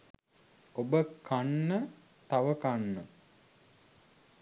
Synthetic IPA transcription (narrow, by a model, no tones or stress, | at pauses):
obəkʰanːə | t̪aʋəkanːə